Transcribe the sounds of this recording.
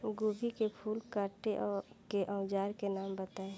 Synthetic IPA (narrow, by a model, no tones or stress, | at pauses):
ɡobʱikepʰuːlkaːɾʈeʔɔːɾkeʔə̃ʊd͡ʒaːɾkenaːmbət̪aːe